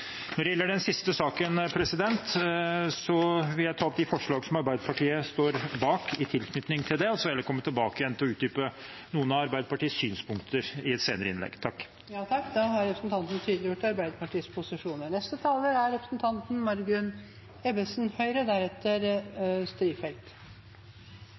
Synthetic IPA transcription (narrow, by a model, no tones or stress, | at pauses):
nɔɖɛjɛlːəɖɛnsɪst̪əsɑːkənpʰɾɛsɪd̪ɛnt̪sɔʋɪljæɪt̪ʰɑːɔp̚d̪ɪfɔʂɭɑːɡsɔmɑɾbæɪd̪əpʰɑʈʰiːəst̪oːɾbɑːkɪt̪ʰɪlkʰnʏt̪nɪŋt̪ʰɪld̪ɛɔsɔʋɛlːəkʰɔmːət̪ʰːɪlbɑːkəjɛnt̪ʰɪlɔʉːt̪̚d̪yːpə | nuːənɑɑɾbæɪd̪əpɑʈiːəssyːnspʰʊŋk̚t̪ʰəɾɪɛt̪seːnəɾəɪnlɛ̰ɡt̪ʰɑkː | jɑːt̪ʰɑkːd̪ɑɦɑɾɛpɾəsn̩t̪ɑnt̪n̩t̪ʰyːd̪lɪjʊʈːɑɾbæɪd̪əpʰɑʈiːspʰʊsɪʂuːnəɳɛst̪ət̪ʰɑːləæɾɾɛpɾəsn̩t̪ʰɑnt̪n̩mɑɾɡʉn | ɛbəsnhœʏɾəd̪æɾɛt̪ːəɾst̪ɾiːfɛlt̪